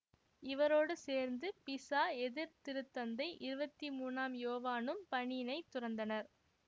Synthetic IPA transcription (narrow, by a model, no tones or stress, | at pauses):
ɪʋɐɾoːɽɯseːɾnd̪ɯpɪsaːɛðɪɾt̪ɪɾɯt̪ːɐnd̪ɐɪʔɪɾɯbɐt̪ːimuːnaːmjoːʋaːnɯmpɐɳɪnɐɪt̪ːʊrɐnd̪ɐnɐɾ